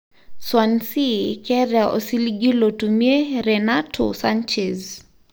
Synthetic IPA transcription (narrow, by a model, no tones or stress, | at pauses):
swansikɛɾaʔo̰siliɡilotumieɾɛnatʰɔ̰sant͡ʃɛz